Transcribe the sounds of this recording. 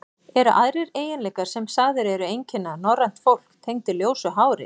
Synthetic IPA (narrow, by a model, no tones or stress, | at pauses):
ɛɾʏʔaðɾɪɾeːjɪnlɛːkaɾ̥sɛmsaːðɪɾɛɾʏejɲcɪnːanɔrːan̥t̪fowl̥kt̪ʰejŋt̪ɪljoːwsʏɦaːwɾɪ̰